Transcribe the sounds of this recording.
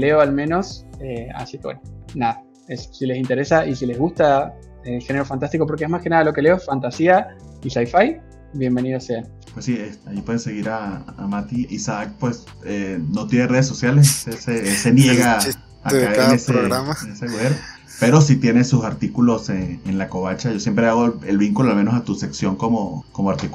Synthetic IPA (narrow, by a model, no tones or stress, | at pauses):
leoalmẽno̞sea̰sikewḛnonaða | esːile̞sint̪e̞ɾesaʔisile̞zɣust̪a | elxe̞neɾo̞fant̪ast̪iko̞p̬oɾkeeɦmaske̞naðalo̞keleoesfant̪asia | isajfaj | bje̞mbe̞niðosean | pwesːiesaipwe̞ðeseɣiɾaːmat̪iʔisak̚pwes | eno̞t̪jenere̞ðes̬ːosjalessesesenjeɣa | akaaeɾeeseɾoɣɾamaneseuɣeɾ | pe̞ɾo̞s̬it̪je̞nesusaɾt̪ikulo̞seenlako̞βat͡ʃaʝo̞sje̞mpɾeaɣoelβiŋkuloalme̞nosat̪use̞ksjo̞ŋko̞mokomoaɾt̪ik